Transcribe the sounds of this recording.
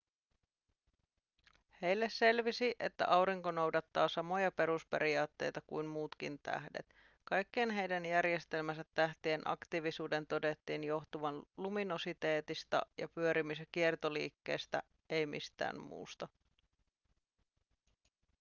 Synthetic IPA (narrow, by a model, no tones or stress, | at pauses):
he̞jlːesse̞lʋisiʔet̪ːæ̰ʔɑwɾiŋkono̞wdɑt̪ːɑːsɑmo̞jɑpe̞ɾuspe̞̰ɾiɑːt̪ːe̞̰jt̪ɑkujnmuːt̪k̟int̪æ̰hde̞̰t̪ | kɑjkːeːnɦe̞jdænjærje̞st̪e̞lmæsæt̪ːæht̪ienʔɑ̰kt̪iʋisuːde̞nt̪o̞de̞t̪ːiːnjo̞xt̪uʋɑnluminosit̪e̞ːt̪ist̪ɑ̰jɑ̰pyøɾimisek̟iert̪o̞lḭːkːe̞̰ːst̪æ̰ | e̞jmḭst̪æ̰ːmmṵːst̪ɑ